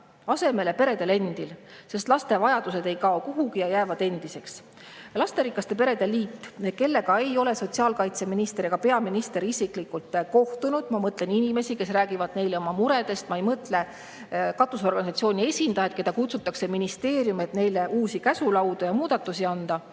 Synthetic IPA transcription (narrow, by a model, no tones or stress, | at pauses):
ɑse̞me̞le̞pe̞ɾe̞d̪̥e̞le̞nd̪̥ilse̞st̪lɑst̪e̞vɑjɑd̪̥use̞d̪e̞jkɑokuɦukijɑjæːvɑd̪̥e̞nd̪̥ise̞ks | lɑst̪e̞ɾikːˑɑst̪e̞p̬e̞ɾe̞d̪e̞lːiːt̪ːke̞lːe̞ɡ̥ɑe̞jo̞le̞so̞t̪siɑːlkɑjt̪se̞minist̪eɾiɡ̥ɑpe̞ɑminist̪e̞ɾiisiklikːult̪ko̞ht̪unud̪̥mɑmɤt̪ˑle̞ninime̞sike̞sræːɡivɑd̪ne̞jleo̞mɑmuɾe̞d̪e̞st̪mɑejmɤt̪ˑle̞ | kɑt̪ˑːuso̞rɡ̥ɑnisɑt̪sio̞ːnʲie̞sʲind̪ɑjɑt̪ke̞d̪ɑkut̪sut̪ˑːɑkse̞minist̪e̞ːrjume̞t̪ne̞jleʔuːsikæsulɑwd̪̥ujɑmuːd̪̥ɑt̪ːˑusiɑnd̪̥ɑ